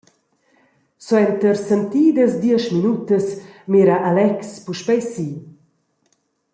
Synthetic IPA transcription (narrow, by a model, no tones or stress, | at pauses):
sɔɛnt̪əɾsənt̪iːd̪əsd̪iəʃminut̪əsmeɾaʔalɛkspuʃpɛjsi